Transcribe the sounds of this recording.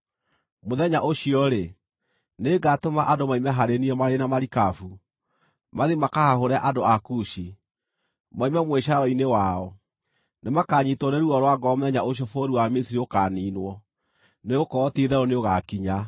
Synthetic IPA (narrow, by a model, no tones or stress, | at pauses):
moðɛɲaʔoɕiɔɾe | neɡatomaʔadomaimɛɦaɾeniɔmaɾenamaɾikafu | maðemakahaɦoɾɛaʔadoakuʃi | maimɛmweʃaɾɔinewaɔ | nemakaɲitwɔneɾuɔɾwaɡɔamoðɛɲaoɕiɔfoɾiwamesiɾiokaniːnwɔ | neokɔːtiðɛɾɔneoɣakiɲa